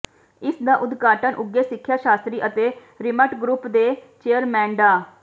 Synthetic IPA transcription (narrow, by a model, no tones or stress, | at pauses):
ɪsd̪aːʔʊd̪ɡaːʈənʔʊɡːeːsɪkʰːjaːʃaːst̪ɾiːʔət̪eː | ɾɪməʈɡɾupd̪eːt͡ʃeːəɾmɛ̃ːɳɖaː